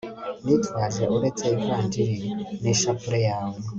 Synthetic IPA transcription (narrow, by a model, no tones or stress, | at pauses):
nitwaʒeuɾet͡seikandiɾineʃapuɾejaːwo